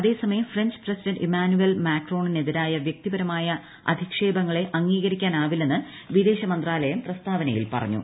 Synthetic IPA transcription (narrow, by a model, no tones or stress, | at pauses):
ɐðe̞ːsɐmɐjɐmfreɲd͡ʑɨ̥prɐsidɐnɖemaːnuelmaːkro̞ːɳine̞ðiɾaːjɐʋjɐk̚t̪ibɐɾɐmaːjɐ | ɐ̰d̪ʱikʂe̞ːbɐŋːɐɭe̞ʔɐŋːiːɣɐɾikʲːaːnaːʋilːe̞nːɨ | ʋid̪e̞ːɕɐmɐnd̪raːlɐjɐmprɐst̪ʰaːbɐnɐjḭlpɐ̰rɐ̰ɲːṵ